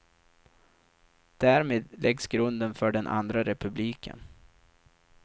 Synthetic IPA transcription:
d̪̥æːɾmeːd̪lʔɛɡsɡɾɵnd̪ənfœɖɛnʔa̰nd̪ɾaɾɛpɵbliːkʰə̰n

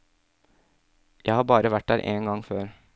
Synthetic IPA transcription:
jæɪhɑːbɑːɾəʋæʈ̚d̪æːɾʔeːnɡɑŋføːɾ

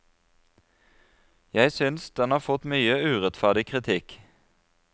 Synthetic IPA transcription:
jæɪsʏnsd̪ɛnhɑːʁfɔt̪myːəʉːʁɛt̪fæʁɖ̪ɪkʰʁɪt̪ʰɪk

